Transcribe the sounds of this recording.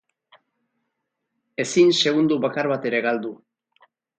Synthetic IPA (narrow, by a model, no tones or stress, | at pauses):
e̞sinse̞ɣund̪uβakaɾβat̪e̞ɾe̞ɣald̪u